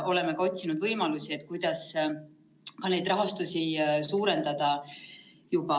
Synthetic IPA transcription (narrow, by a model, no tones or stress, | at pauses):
ʔo̞le̞mekɑo̞t̪ʲsinud̪vɤjmɑlusie̞t̪̚ːˑkujd̪̥ɑs | kɑne̞jd̪rɑɦɑst̪usisuːɾe̞nd̪ɑd̪̥ɑ | jub̥ɑ